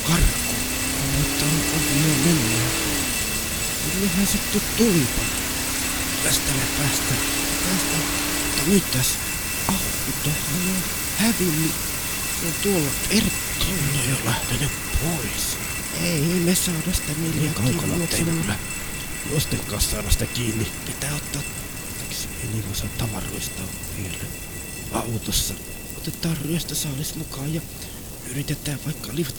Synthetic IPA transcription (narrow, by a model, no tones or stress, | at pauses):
kɑrkːo | ɑneot̪ːɑonʔoʋiomenːæ | ninnehhænset̪utt̪ulipol | læst̪ænæpæst̪æ | pæːst̪æ | ut̪ːɑnyt̪t̪æs | ʔɑhkːit̪ˑohhɑno | hæʋinːi | sont̪uolːɑtertː | onːejɑlæht̪enyppʰois | eˑinesɑːdɑssi̥t̪æniːlːekɑonklɑot̪sinɑæ | jost̪eŋkːˑɑːssɑːɾɑsit̪ækiːnːipit̪æːot̪ːɑːt | eksḛiniːlosɑːt̪t̪ɑʋɑ̰ro̰ˑist̪ɑ̰ː | nḭːlːæ̰ | ɑut̪osːɑ | ot̪et̪ˑɑːrryɑst̪ɑsɑːlesmukɑːjjɑ | yrit̪et̪ˑæːʋʋɑikːɑliʋɑt̪